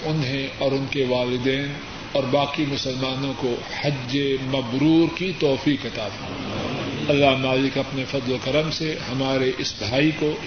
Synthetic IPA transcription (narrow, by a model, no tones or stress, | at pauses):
ʊnɦẽɔːɾʊnkeʋaːlɪd̪ɛːn | ɔːɾbaːkimʊsəlmaːnõko | hɐd͡ʒemɐbɾuːɾkit̪ɔːfiːkɦɐt̪aːt̪ː | ɐlːaɦmaːlɪkɐpnefɐd̪lokɐɾəmsehɐmaːɾeʔɪsbʱaːiko